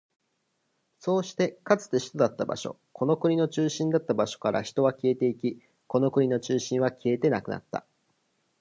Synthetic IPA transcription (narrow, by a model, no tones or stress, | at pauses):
so̞ːɕi̥t̪e̞kat͡sɨ̥t̪e̞çi̥t̪o̞d̪at̪ːaba̰ɕo̞̰ | kʰo̞no̞kɯ̟ɲ̟ino̞t͡ɕɨːɕĩnd̪at̪ːabaɕo̞̥kaɾa̰çi̥t̪o̞βakʲie̞t̪e̞ikʲi | ko̞no̞kɯ̟ɲ̟ino̞t͡ɕɨːɕĩɰ̃βakʲie̞t̪e̞nakɯ̟na̰t̪ːa̰